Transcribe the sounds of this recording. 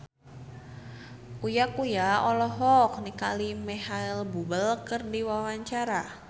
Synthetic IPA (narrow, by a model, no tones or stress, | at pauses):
kujakujaɔlɔɦɔk̚nikalimɛhailbubəlkərdiwawaɲt͡ʃaɾa